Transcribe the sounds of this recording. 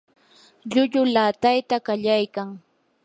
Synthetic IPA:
ʎʊʎʊlaːt̪ajt̪akaʎajkaŋ

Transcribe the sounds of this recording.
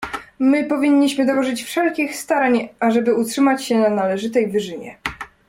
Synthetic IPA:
mɘpɔvʲiɲːiɕmɘd̪ɔwɔʐɘt͡ɕfʂɛlkʲixst̪aɾaɲaʐɛbɘutʂɘmat͡ɕɕɛnanalɛʐɘt̪ɛjvɘʐɘɲɛ̰

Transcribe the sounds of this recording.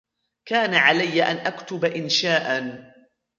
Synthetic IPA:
kaːnaʕalajːaʔanʔakt̪ʊbaʔɪnʃaːʔa

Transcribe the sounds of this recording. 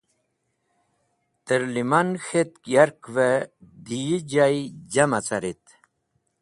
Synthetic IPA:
t̪əɾlimanxet̪̚kjaɾkved̪iid͡ʑajd͡ʑamat͡saɾit̪

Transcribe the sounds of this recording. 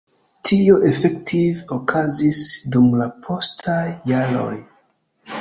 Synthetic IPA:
tʰio̞ʔe̞fektʰivokʰazisdumlapʰo̞stʰajːaɾo̞̰j

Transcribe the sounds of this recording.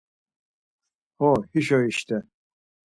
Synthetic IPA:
hɔhiʃɔiʃt̪ʰɛ

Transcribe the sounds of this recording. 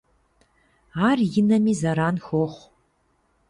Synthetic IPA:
aːrjɪnɐmiːzɐɾaːnxoχʷ

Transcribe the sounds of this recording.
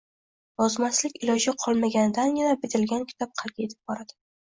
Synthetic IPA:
jɒzmaslɪkʲɪlɒd͡ʒɪqʰɒlˠmaɡʲanɪd̪anjʲɪnabɪd̪ɪlɡʲankʲʰɪ̥t̪ʰɒp̚qʰɑlˠɡʲajet̪ʰɪ̥p̚bɒɾad̪̥ɪ

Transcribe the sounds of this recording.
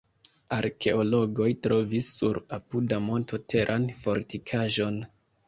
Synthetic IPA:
aɾke̞o̞lo̞ɡo̞jtɾo̞visːuɾapudamo̞nto̞tʰe̞ɾʔanfo̞ɾtikʰaʒo̞n

